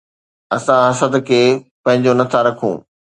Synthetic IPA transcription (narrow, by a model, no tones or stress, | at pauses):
ɐsãɦɐsət̪kʰeːpɐ̃ɦɪ̃ɲd͡ʑonɐt̪ʰaɾɐkʰṵ̃ː